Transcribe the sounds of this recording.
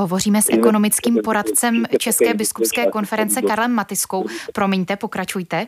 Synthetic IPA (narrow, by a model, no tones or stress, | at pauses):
ɦo̞vo̞riːmɛsʔɛko̞no̞mɪt͡skiːmpo̞ɾat̪t͡sɛmt͡ʃɛskɛːbɪskupskɛːko̞nfɛɾɛnt͡sɛkaɾlɛmːat̪ɪsko̞wpɾo̞mɪɲt̪ɛpo̞kɾat͡ʃujt̪ɛ